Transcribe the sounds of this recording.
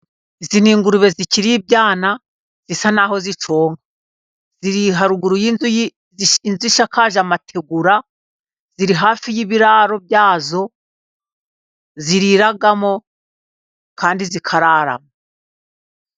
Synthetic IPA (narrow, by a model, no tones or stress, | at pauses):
iziniːŋɡuɾuβe̞ziciɾiib̚ɟaːna | z̥isanaːho̞zit͡ʃoːŋɡa | ziɾiɦaɾuɡuɾujiz | inzuiʃakaːʒamatʰe̞ɡuɾa | z̥iɾiɦaːfijiβiɾaːɾo̞b̚jaːzo̞ | ziɾiɾaɡamo̞ | kaːndizikʰaɾaːɾa̰mo